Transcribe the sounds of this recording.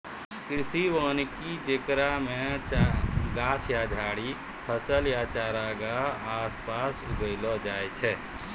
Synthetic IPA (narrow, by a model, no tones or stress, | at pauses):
kɾisiʋənikid͡ʒekɾame | ɡat͡ʃʰjad͡ʒʱaɽi | pʰəsəljat͡ʃaɾaɡaːspasuɡəɪlɔd͡ʒajt͡ʃʰɛ